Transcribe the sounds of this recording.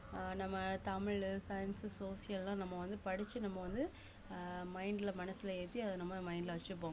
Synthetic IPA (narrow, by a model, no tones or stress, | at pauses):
nɐmːɐt̪ɐmɪɻsɐjɐnssoːsɪjɐllãːnɐmːɐʋɐnd̪ɯpɐɽɪt͡ʃːɯnɐmːɐʋɐnd̪ɯ | mɐɪɳɖɪlɐmɐnɐsɪlɐeːt̪ːiɐðɯnɐmːɐmɐɪɳɖɪlɐʋɐt͡ʃːɯp̬ːoː